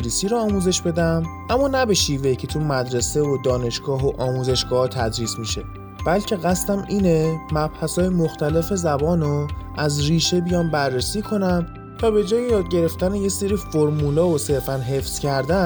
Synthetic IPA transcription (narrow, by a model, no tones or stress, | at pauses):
ɾisiːɾoːmuːze̞ʃbe̞d̪æmʔæmːɒːnæbe̞ʃiːve̞cʰe̞t̪ʰumæd̪ɾese̞vod̪ɒːne̞ʃɡɒːɦoʔɒːmuːze̞ʃɡɒːht̪ʰæd̪ɾiːsmiʃe̞ | b̥ælcʰe̞ɣæst̪æmiːne̞mæb̥hæsɒːjemoxt̪æle̞fe̞zæbɒːnoʔæzriːʃe̞bijɒːnbærːesiːkʰo̞næn | t̪ʰɒːbe̞d͡ʒɒːjejɒːd̪̚ɟe̞ɾe̞ft̪æneje̞seɾiːfoɾmuːlɒːose̞ɾfænɦe̞fscʰæɾd̪æ